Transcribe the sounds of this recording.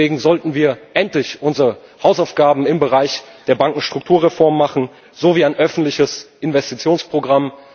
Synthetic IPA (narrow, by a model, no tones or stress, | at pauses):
eːɡŋ̩zɔltn̩viːɐʔɛntlɪçʔʊnzəʁəhaʊsaʊfɡ̥aːbm̩ɪmbəʁaɪçd̥eːɐbaŋkŋ̩ʃtʁ̥ʊk̚tʰuːɐʁefɔɐmːaχn̩ | z̥oviːaɪnʔœfn̩tlɪçəsʔɪnvɛstit͡sjoːnspʁ̥oɡʁam